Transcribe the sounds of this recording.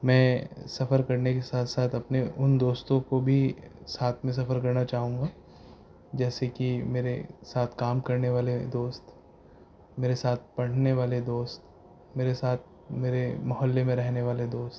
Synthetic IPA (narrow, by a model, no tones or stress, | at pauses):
mɛ̃ːsɐfəɾkɐɾnekesaːt̪ʰsaːt̪ʰɐpneʔʊnd̪oːst̪õkobʱisaːt̪ʰmẽs̬ɐfəɾkɐɾnat͡ʃaːɦũːŋɡaː | d͡ʒɛːsekimeːɾesaːt̪ʰkaːmkɐɾneʋaːled̪oːst̪ | meːɾesaːt̪̚ʰpɐɽ̤neʋaːled̪oːst̪ | meːɾesaːt̪̚ʰ | meːɾemɐɦɔlːemẽɾɛɦneʋaːled̪oːst̪̚